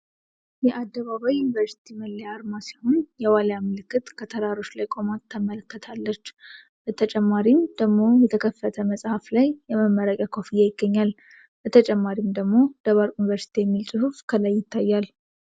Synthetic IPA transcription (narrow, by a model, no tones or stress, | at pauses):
jɛʔad̪ːəβaβajunivəɾsi̥t̪ʰiməlːejaɾmasihonjɛwaljamːɨlɨkːɨt̪kʰət̪ʰəɾaɾo̞t͡ʃːlajkʼo̞mat̪ʰːəmələkːət̪ʰalːət͡ʃː | bət̪ʰət͡ʃʼɛmːaɾimd̪̥əɡmo̞jɛt̪ʰəkʰəfːət̪ʰəməsʼhaflajːɛməmːəɾəkʼjakʰo̞fijːajɪɡːəɲːal | bət̪ʰət͡ʃʼɛmːaɾimd̪əɡmo̞d̪̥əβaɾʼunivəɾsi̥t̪ʰijɛmːilsʼɨhufkʰəlajːɪt̪ʰːajːal